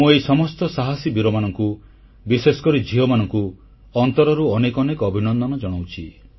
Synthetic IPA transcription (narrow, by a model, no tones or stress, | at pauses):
mũejsɔmɔst̪ɔsaɦasibuɾɔmanɔŋku | bisesɔ̥kɔɾid͡ʒʱiɦɔmanɔŋku | ɔnt̪ɔɾɔɾuɔnekɔnekɔbʱinɔnd̪ʱɔnɔd͡ʒɔɽ̃awt͡ʃʰi